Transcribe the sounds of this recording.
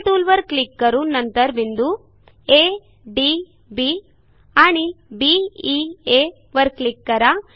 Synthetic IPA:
ʈ̪uːlʋɐɾklikːɐɾunɐnt̪ɐɾbind̪u | e | ɖi | bi | aːɳibiie | ʋɐɾklikːɐɾa

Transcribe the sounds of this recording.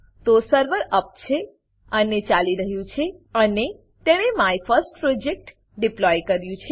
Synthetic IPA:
t̪osəɾʋəɾəp̚t͡ʃʰe | ənet͡ʃaliɾəɦjũt͡ʃʰeəne | t̪eɽ̃emajfʰəɾsʈ̚pɾod͡ʒek̚ʈ | ɖiplɔjkəɾjũt͡ʃʰe

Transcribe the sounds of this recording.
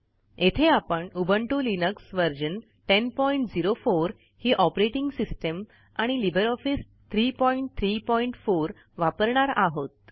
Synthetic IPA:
et̪ʰeapəɳubʱəɳʈulinəksʋəɾd͡ʑən | ʈenpɔiɳʈd͡ziɾofoɾ | hiːʔɔpɾeʈiŋɡsisʈəm | ãilibʱəɾɔfis | t̪ʰɾipɔiɳʈ̚t̪ʰɾipɔiɳʈfoɾ | ʋapəɾɳaɾaɦot̪̚

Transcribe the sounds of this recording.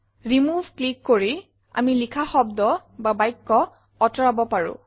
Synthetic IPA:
ɹimuvʱklikːoɹi | a̰milikʰaxɔbdɔbabajkːɔ | ɔtɔɹabɔpaɹʊ̰̃

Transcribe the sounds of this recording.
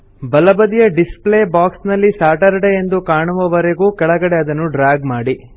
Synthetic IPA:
bɐlɐbɐd̪ijɐɖispleːbaːksnɐlːisaːʈɐɾɐɽeend̪ukaːɳuʋɐʋɐɾeɡuːkɛɭɐɡɐɽeɐd̪ɐnːuɖɾaːɡmaːɽi

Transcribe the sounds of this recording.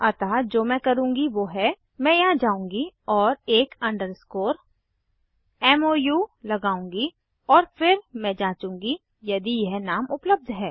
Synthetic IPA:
ɐt̪aːd͡ʒoːmɛ̃kɐɾũːŋɡiʋoːɦɛ | mɛ̃jaɦd͡ʒaːũːŋɡiɔːɾeːkɐ̃ɳɖəɾskoːɾ | ɛːmoːjuːlɐɡaːũːŋɡi | ɔːɾfɪɾmɛ̃ːd͡ʒãːt͡ʃũːŋ̆ɡi | jɐd̪ijɐɦnaːmʊpləb̚d̪ʱɦɛː

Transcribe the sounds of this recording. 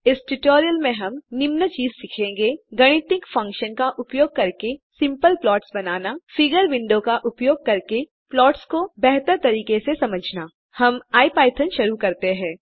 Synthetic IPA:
ɪsʈʊʈoːɾijəlmẽɦɐmnɪmnət͡ʃiːzsɪkʰẽːŋɡeɡɐɽ̃ɪt̪ɪkfɐ̃ŋkʃənkaʔʊpjoːɡ̚kɐɾkesɪ̃mpəlplɔːʈsbɐnaːnafɪɡəɾʋɪ̃ɳɖõkaʔʊpjoːɡ̚kɐɾke | plɔːʈskobɛɦt̪əɾt̪ɐɾiːkesesɐməd͡ʒʱnaː | hɐmaːipaːɪt̪ʰənʃɐɾukɐɾt̪eɦɛ̃ː

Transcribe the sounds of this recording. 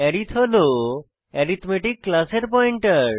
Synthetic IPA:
ɛɾit̪ʰɦolo | ɛɾit̪ʰmeʈikːlaseɾpɔiɳʈəɾ

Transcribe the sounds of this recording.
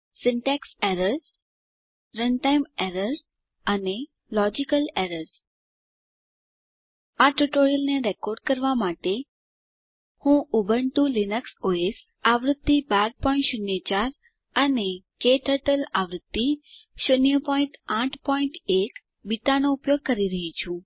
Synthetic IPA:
sɪɳʈɛkseɾəɾz | ɾənʈajmɛɾəɾ | əne | lɔd͡ʑikəleɾəɾz | aʈuʈoɾijəlneɾekɔːɾɖ̚kəɾʋamaːʈe | hũubʱəɳt̪ũlinəksoes | aʋɾəd̪ːibaɾpɔĩʈʃʊnjət͡ʃaɾ | ənekeʈəʈəlaʋɾəd̪ːiʃʊnjəpɔĩʈaʈʰpɔiɳʈek | biʈ̪anoupjoɡ̚kəɾiɾəɦit͡ʃʰũ

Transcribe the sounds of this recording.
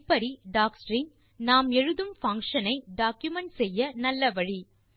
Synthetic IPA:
pːɐɾiɖaːksɾɪŋ | naːmɛɻɯðɯmfɐŋkʂɐnɐɪɖaːkjʊmɐɳʈsɛjːɐnɐlːɐʋɐɻi

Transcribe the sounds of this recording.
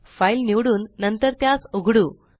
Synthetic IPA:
failniwɽuːnːənt̪əɾt̪jasoɡʱɽuː

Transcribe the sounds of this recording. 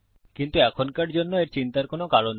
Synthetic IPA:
kint̪uɛkʰonkaɾd͡ʑonːoeɾt͡ɕint̪aɾkonokaɾon

